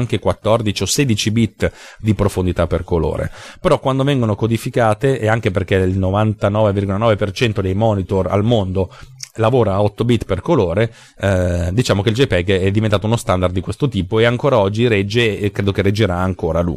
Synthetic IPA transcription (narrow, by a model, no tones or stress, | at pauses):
ŋk̟ekwat̪ːɔrd̪it͡ʃioseːd̪it͡ʃibit̪ː | d̪ipɾofond̪it̪apːerkolo̰ːɾḛpeɾɔkːwand̪ovɛŋɡonokod̪ifikaːt̪eʔeaŋk̟eperkeilnovant̪anɔːvevirɡolanɔːvepert͡ʃɛnt̪od̪ejmɔːnit̪ora̰lmond̪olavoːɾaːɔt̪ːobit̪ːperkoloːɾe | d̪it͡ʃaːmok̟eild͡ʒepɛɡɛd̪ivent̪aːt̪ounost̪and̪aɾrd̪ːikwest̪ot̪iːpoeaŋkoːɾaɔd͡ʒːiɾɛd͡ʒːekɾeːd̪okered͡ʒːeɾaːŋkoːɾalṵː